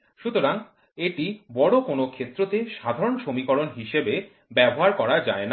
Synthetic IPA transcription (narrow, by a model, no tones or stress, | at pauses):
ʃut̪oɾaŋ | eʈibɔɽokonokʰet̪ːɾot̪eʃad̪ʱaɾonʃomikɔɾonɦiʃebe | bɛboɦaɾkɔɾad͡ʑaena